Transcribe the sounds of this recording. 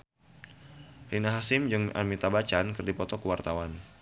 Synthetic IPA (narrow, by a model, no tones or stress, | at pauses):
rinaɦasɪmd͡ʒɨŋa̰mit̪abat͡ʃankɨrdipɔt̪ɔkəwart̪awan